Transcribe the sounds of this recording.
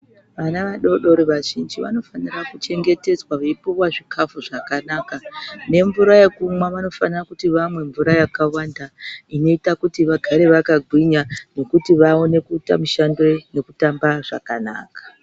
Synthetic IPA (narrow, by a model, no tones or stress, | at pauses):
ʋanaʋaɗo̞ɗo̞ɾeʋaʒind͡ʒiʋa̰no̞fanirakut͡ʃe̞ŋɡe̞te̞d͡zwaʋeipuwaʐikʰafuʐakanakane̞ɱvuɾajekumwaʋano̞fanirakutiʋamwe̞ɱvuɾajakawandaino̞itakutiʋaɡʱaɾe̞ʋakaɡʱwiɲano̞kutiʋao̞ne̞kuːta̰muʃando̞ne̞kutambaʐa̰kana̰ːkḁ